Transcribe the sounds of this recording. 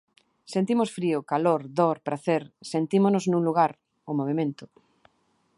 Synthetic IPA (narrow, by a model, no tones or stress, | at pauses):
sent̪imosfɾiʊkaloɾðoɾpɾʔaθeɾsent̪imonʊznũŋluɣaɾ | ʊmoβemẽnt̪ʊ